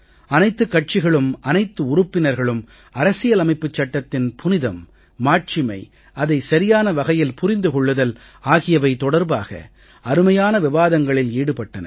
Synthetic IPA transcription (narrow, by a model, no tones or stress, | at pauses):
ɐnɐɪt̪ːɯkːɐʈ̚t͡ʃɪɣɐɭɯmʔɐnɐɪt̪ːɯʊɾʊpːɪnɐɾɣɐɭɯm | ɐɾɐsɪjɐlɐmɐɪpːɯt͡ʃːɐʈːɐt̪ːɪnpʰʊnɪðɐmː | aːʈ̚t͡ʃɪmɐ̰ɪ | ɐðɐɪsɐɾɪjaːnɐʋɐɣɐjɪlpʊɾɪnd̪ɯkɔɭːɯðɐl | aːɣɪjɐʋɐɪt̪ɔɽɐɾbaːɣɐ̰ | ɐɾɯmɐjaːnɐʋɪʋaːðɐŋɡɐɭɪliːɽɯpɐʈːɐnɐ̰